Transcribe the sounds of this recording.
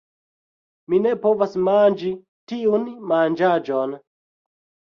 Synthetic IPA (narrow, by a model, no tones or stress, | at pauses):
minepovasmand͡ʒi | tiunmand͡ʒad͡ʒon